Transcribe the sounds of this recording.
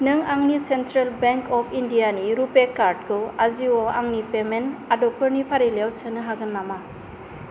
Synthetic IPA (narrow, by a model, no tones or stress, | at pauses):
nɯŋaŋnisentɾelbeŋkɔpʰindijaniɾupekaɾd̚kɯaziwɔaŋnipemenadɔpʰɯɾnipʰaɾiljawsɯnɯɦaɡɯnːama